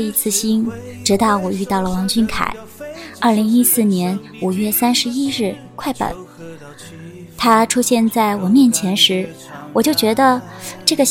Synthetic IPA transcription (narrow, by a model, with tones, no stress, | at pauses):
i˧˥t͡sʰɹ̩˥˩ɕi˥nʈ͡ʂɻ̩˧˥t̪ɑ˥˩ʊwɔ˨˩y˥˧t̪ɑ˥˩ʊlə˩wɑ˧˥ŋt͡ɕʰy˥nkʰa̰˨˩˦ɪ | ɐ˞˥˩li˧˥ŋi˥sɹ̩˥˩njɛ˧˥n | u˨˩ɥɛ˥˩sa˥nʂɻ̩˧˥i˥ɻ̩˥˩ | kʰwa˥˩ɪpə̰˨˩˦n | t̪ʰa˥ʈ͡ʂʰu˥ɕjɛ˥˧nt͡sa˥˩ɪwɔ˨˩mjɛ˥˩nt͡ɕʰjɛ˧˥nʂɻ̩˧˥ | wɔ˨˩t͡ɕjo˥˩ʊt͡ɕɥɛ˧˥d̪ə˧ʈ͡ʂɤ˥˩ɡə˩